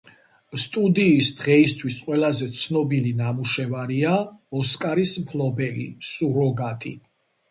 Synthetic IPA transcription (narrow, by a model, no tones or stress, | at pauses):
st̪ʼud̪iːsd̪̥ʁɛist̪ʰwisqʼwɛlazɛt̪sʰnɔbilinamuʃɛvaɾiaɔskʼaɾismpʰlɔbɛlḭsuɾɔɡat̪ʰʼḭ